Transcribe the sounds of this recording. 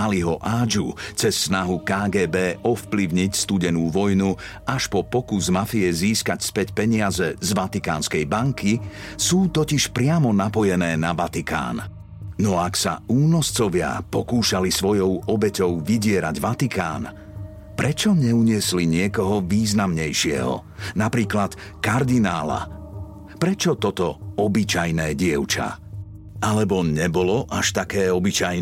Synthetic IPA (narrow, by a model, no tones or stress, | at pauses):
aliɦɔʔaːd͡ʒut͡sɛsːnaɦukaːɡɛːbɛːʔɔfpliʊɲicst̪uɟɛnuːʋɔjnu | aʃpɔpɔkuzmafiɛziːskacspɛcpɛɲɪazɛzʋat̪ikaːnskɛjbaŋki | suːt̪ɔciʃpɾɪamɔnapɔjɛnɛːnaʋat̪ika̰ːn | nɔaksa̰uːnɔst͡sɔʋɪa̰pɔkuːʃalisʋɔjɔʊɔbɛcɔʊʋiɟɪɛɾaɟʋat̪ikʰa̰ːn | pɾʔɛt͡ʃɔɲɛuɲɪɛsliɲɪɛkɔɦɔʋiːznamɲɛjʃɪɛ̰ɦɔ̰ | napɾiːklat̪ | kaɾd̪inaːla̰ | pɾɛt͡ʃɔt̪ɔt̪ɔɔbit͡ʃajnɛːɟɪɛʊt͡ʃa̰ | alɛbɔɲɛbɔlɔʔaʃt̪akɛːɔbit͡ʃajn